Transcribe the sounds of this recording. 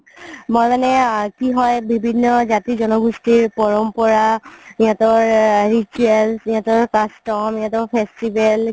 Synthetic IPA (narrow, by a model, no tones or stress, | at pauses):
mojmanɛkiɦɔjbibʱinːɔzatizɔnɔɡustiɹpɔɹɔmpɔɹaiatɔɹɹituɛlsijãtɔɹkastɔmijãtɔɹpʰestibɛl